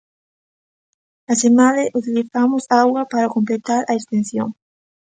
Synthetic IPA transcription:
asemaleʔut̪iliθamʊsaɣwɐpaɾakomplet̪aɾʔaekst̪ẽn̟θjo̰ŋ

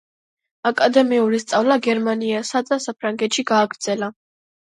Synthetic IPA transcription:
akʼad̪ɛmiuɾist̪sʼavlaɡɛɾmaniasad̪d̪asapʰɾaŋɡɛt̪ʃiɡaːɡɾd̪z̥ɛla

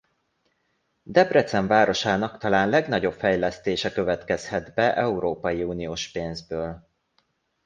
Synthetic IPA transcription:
d̪ɛbrɛt̪sɛɱvaːɾo̞ʃaːnɒkt̪ɒlaːnlɛɡn̪ɒɟo̞pfɛjlɛst̪eːʃɛkø̞vɛt̪kɛshɛd̪bɛʔɛuɾoːpɒjiuːnijoːʃpeːnzbøːl

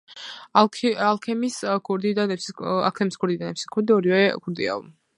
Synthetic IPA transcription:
alˠkʰɛmiskʰuɾd̪id̪anɛpsia̰k̪ʰɛmiskʰuɾd̪id̪anɛpsikʰuɾd̪iɔɾiwɛkʰuɾd̪ia̰l

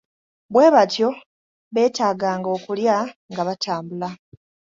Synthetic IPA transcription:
βwe̞ːβatjo̞ | βe̞ːtaːɡaːŋɡo̞ːkuljaŋɡaβataːmbula

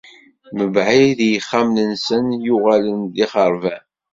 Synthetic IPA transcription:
məbʕiðjəχːamlənsənjʊʁalənd̪iχəɾˤvæ

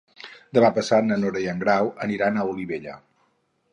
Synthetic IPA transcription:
d̪əβapəsanənoɾəiəŋɡɾawəniɾanəuliβeʎə̰

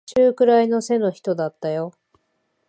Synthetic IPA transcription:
ɕɨːkɯ̟ɾaino̞se̞no̞çi̥t̪o̞d̪at̪ːajo̞

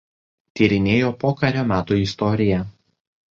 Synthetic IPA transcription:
t̪ʲiːɾʲɪnʲeːjoːpoːkɐɾʲoːmʲæːt̪uːɪst̪ɔɾʲɪjɛ

